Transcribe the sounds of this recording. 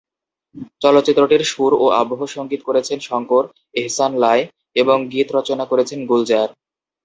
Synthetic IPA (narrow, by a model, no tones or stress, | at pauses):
t͡ɕɔlot̪ːɕit̪ːɾoʈiɾʃuɾoa̰boɦoʃoŋɡit̪okoɾet͡ɕʰenʃɔŋkoɾ | eɦsanlae | eboŋɡit̪ɾɔt͡ɕonakoɾet͡ɕʰenɡuld͡ʑaɾ